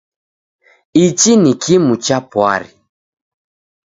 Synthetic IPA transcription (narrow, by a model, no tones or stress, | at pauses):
it͡ʃinikʰimut͡ʃapwa̰ɾḭ